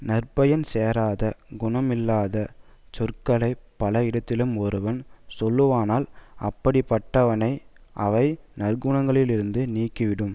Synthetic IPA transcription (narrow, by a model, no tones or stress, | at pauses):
nɐrpɐjɐnseːɾaːðɐɡʊɳɐmɪlːaːðɐt͡ʃɔrkɐlɐɪpɐlɐɪɽɐt̪ːɪlɯmɔɾɯʋɐnsɔlːɯʋaːnaːlɐpːɐɽɪpːɐʈːɐʋɐnɐɪʔɐʋɐɪnɐrɡʊɳɐŋɡɐɭɪlɪɾɯnd̪ɯniːkːɯʋɪɽɯm